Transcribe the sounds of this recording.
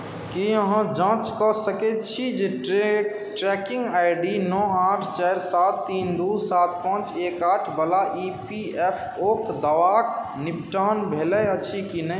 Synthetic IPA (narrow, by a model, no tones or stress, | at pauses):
kiəɦãd͡ʒãːt͡ʃkɔsəkɛt͡ʃʰid͡ʒe | ʈɾɛkɪ̃ŋɡaɪɖinɔ̃ːãːʈʰt͡ʃɛːɾsaːt̪ːiːnd̪usaːt̪̚pə̃t͡ʃeːkaːʈʰbəlaʔipi | ɛpʰ | oːkd̪əʋaknip̚ʈaːnbʱeːləət͡ʃʰikinə